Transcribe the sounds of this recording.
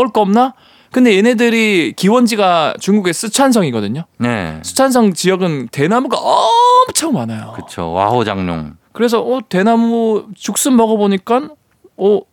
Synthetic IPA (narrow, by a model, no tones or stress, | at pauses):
ʌɭk͈ʌmna | kɯndejene̞dɯɾikiwʌnd͡ʑiɡat͡ɕuŋɡuɡe̞s͈ʰɯt͡ɕʰans̬ʰʌŋiɡʌdɯɲonḛs͈ʰɯ̥t͡ɕʰans̬ʰʌŋt͡ɕijʌɡɯnte̞namuɡa̰ʔʌmt͡ɕʰʌŋmanajokɯt͡ɕʰo̰wa̰ɦod͡ʑaŋɲo̰ŋkɯɾe̞s̬ʰʌʔʌte̞namut͡ɕuk̚s͈ɯnmʌɡʌboɲik͈an | ʌ